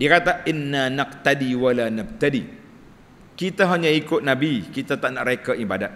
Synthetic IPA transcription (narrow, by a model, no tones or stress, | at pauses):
diakat̪aʔɪnːanaqt̪adiwalanab̚t̪adi | kit̪aɦaɲaikʊt̪̚nãbikit̪at̪aʔnaʔɾekaʔibadat̪̚